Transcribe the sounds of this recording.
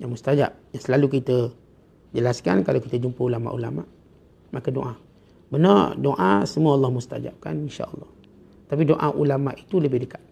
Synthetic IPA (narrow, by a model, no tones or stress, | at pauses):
jaŋmust̪ad͡ʒa̰p̚jaŋsəlalukit̪ə | d͡ʒəlaskankalawkit̪əd͡ʒumpəulama̰ʔṵla̰ma̰ʔ | makədoʔa | bənərdoʔa̰səmuəɑlˤːɑhmust̪a̰d͡ʒa̰p̚ka̰ninʃa̰əlˤːɑ̰h | t̪apidoʔaʔulamaʔit̪uləbɪhdəkḁt̪̚